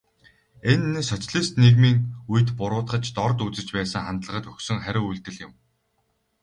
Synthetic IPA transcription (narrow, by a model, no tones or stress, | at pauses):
enːsœt͡sɮiːst̪neɣmiːŋujt̪pʊɾʊːt̪ɢə̆t͡ɕt̪ɔrt̪ut͡sɘ̆t͡ɕpæːsə̆ŋχant̪ɮə̆ʁə̆t̪ɵxsɵ̆ŋχæɾʲɪ̆ŋujɮt̪ɘ̆ɮjɪ̆m